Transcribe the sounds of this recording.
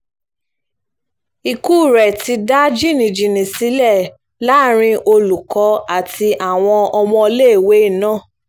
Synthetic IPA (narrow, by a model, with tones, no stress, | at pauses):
i˧ku˦˨ɾɛ˨ti˧da˦d͡ʒi˦˨nĩ˨d͡ʒĩ˨nĩ˨si˨˦lɛ˦˨ | la˦˨ɾ̃ĩ˧ʔo˧lu˨kɔ˨˦a˦˨tʰi˧ʔa˨w̃ɔ̃˧ɔ˧mɔ̃˧le˦˨we˨˦i˦˨nãː˦˨